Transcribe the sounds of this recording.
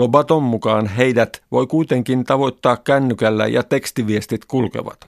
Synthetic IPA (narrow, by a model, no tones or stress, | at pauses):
obɑt̪omːukɑːnɦeidæt̪ʋo̞̰jkuit̪eŋkint̪ɑʋo̞jt̪ːɑːkkænːykælːæ̰jɑ̰t̪e̞kst̪iʋiest̪it̪kulkḛʋɑ̰t̪